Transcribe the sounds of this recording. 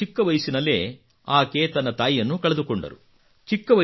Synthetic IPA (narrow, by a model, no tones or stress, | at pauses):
ikːɐʋɐjsinɐlḛː | aːkeːt̪ɐnːɐt̪aːjijɐnːukɐɭed̪ukoɳɖɐ̰ɾṵ | t͡ʃikːɐʋɐ